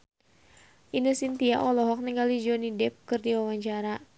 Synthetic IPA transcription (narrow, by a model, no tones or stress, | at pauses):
ʔinəsint̪iaʔɔlɔɦɔk̚niŋɡalid͡ʒɔnidɛp̚kɨrdiwawaɲt͡ʃaɾa